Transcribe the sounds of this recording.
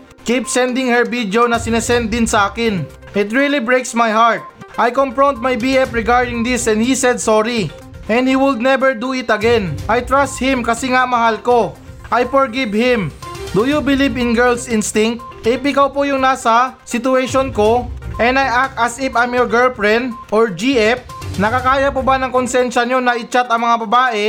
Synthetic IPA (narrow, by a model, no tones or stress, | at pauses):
kipsɛ̃nd̪ɪŋhɛɹvid̪jownɐsɪnɛsɛnd̪̚ːɪnsɐʔaːkɪn | ʔɪt̪ɹilibɹejksmajhaɹt̪̚ʔajkompɹont̪̚majbiɛpɹɪɡaɹd̪ɪŋd̪ɪsɛ̃nd̪hisɛd̪soɾi | ʔɛ̃nd̪hiwɪld̪̚nɛbɛɹd̪uɪt̪ɐɡɛnʔajt̪ɹast̪̚hɪ̃mkɐsɛŋamɐhalko̞ | ʔajfoɹɡɪbhɪ̃md̪ujubɪlivɪ̃nɡɛɹlsɪnst̪ɪŋk̚t̪̚ | ʔɪpʔɪkawpojʊŋnaːsɐsɪt̪ʊɛʃonkoʔɛnɐjʔakɐsɪpamjoɹɡɛlpɹɛnʔoɹd͡ʒiʔɛp̚nɐkɐkaːjɐpobanɐŋkonsɛnʃɐɲonɐʔɪt͡ʃat̪ɐŋmɐŋabɐbaːʔɛ